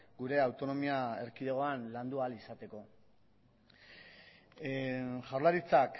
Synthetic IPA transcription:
ɡuɾe̞awt̪o̞no̞miaḛɾkiðeɣ̞o̞anland̪ualisat̪e̞ko̞ | ʝawɾlaɾit͡sak

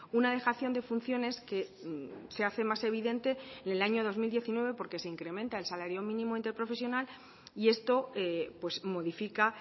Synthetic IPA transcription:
unað̞e̞xaθjo̞nd̪e̞funθjo̞ne̞ske̞se̞aθe̞mase̞β̞iðe̞nt̪e̞nelaɲo̞ð̞o̞zmild̪je̞θinwe̞β̞e̞po̞ɾke̞se̞iŋkɾe̞mẽnt̪aelsalaɾjo̞mĩnĩmo̞int̪e̞ɾpɾo̞fe̞s̬jo̞nal | ie̞st̪o̞epwe̞smo̞ðifika

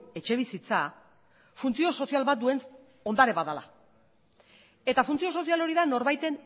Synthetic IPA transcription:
e̞t͡ʃe̞β̞isit͡sa | funt͡sio̞so̞sialβat̪̚d̪ue̞n | o̞nd̪aɾe̞βaðala̰ | e̞t̪afunt͡sio̞so̞sialo̞ɾiðano̞ɾβajt̪e̞n

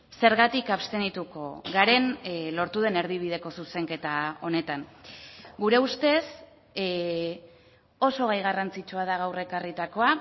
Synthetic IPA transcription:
se̞ɾɣat̪ikapst̪e̞nit̪uko̞ɣaɾe̞nlo̞ɾt̪uðe̞ne̞ɾðiβ̞ið̞e̞ko̞suse̞ŋke̞t̪ao̞ne̞t̪aŋ | ɡuɾe̞ust̪e̞s | o̞so̞ɣajɣ̞arant͡sit͡ʃuað̞aɣ̞awre̞karit̪ako̞a

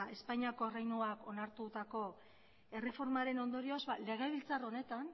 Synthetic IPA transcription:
e̞spajɲiako̞rejnuako̞naɾt̪ut̪ako̞ | e̞re̞fo̞ɾmaɾe̞no̞nd̪o̞ɾio̞zβale̞ɣ̞aβilt͡saro̞ne̞t̪an

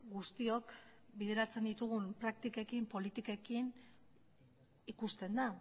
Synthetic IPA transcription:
ɡust̪io̞kbið̞e̞ɾat͡se̞nd̪it̪uɣ̞umpɾak̚t̪ikekimpo̞lit̪ikekin | ikust̪e̞nd̪a

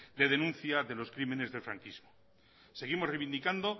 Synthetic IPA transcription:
d̪e̞ðe̞nũnθjaðe̞lo̞skɾime̞ne̞zðefɾa̰ŋkizmo | se̞ɣ̞imo̞zrejβind̪ikand̪o̞

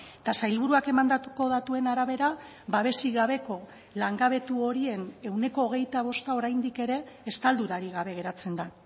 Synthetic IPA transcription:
et̪asajlβ̞uɾuake̞mand̪at̪uko̞ðat̪ue̞naɾaβ̞e̞ɾa | βaβe̞siɣaβ̞e̞ko̞ | laŋɡaβe̞t̪uo̞ɾie̞ne̞wne̞ko̞ːɣ̞e̞jt̪aβ̞o̞st̪ao̞ɾajnd̪ike̞ɾe̞ːst̪ald̪uɾaɾiɣ̞aβ̞e̞ɣ̞e̞ɾat͡se̞nd̪a

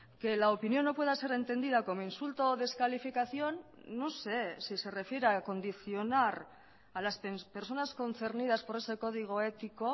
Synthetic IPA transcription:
ke̞laopinio̞nːo̞pwe̞ð̞ase̞ɾe̞nt̪e̞nd̪iðako̞moinsult̪o̞ðe̞skalifikaθjo̞nː | ose̞sise̞re̞fje̞ɾeako̞nd̪iθjo̞naɾ | alaspepe̞ɾso̞nasko̞nθe̞ɾnið̞aspo̞ɾe̞se̞ko̞ðiɣ̞o̞e̞t̪iko̞

